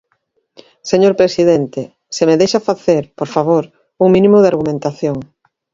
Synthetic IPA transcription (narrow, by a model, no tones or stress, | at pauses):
seɲoɾpɾesiðent̪e | semeðejʃafaθeɾpoɾfaβ̞oɾ | uŋmĩnĩmʊðeaɾɣumẽnt̪aθjoŋ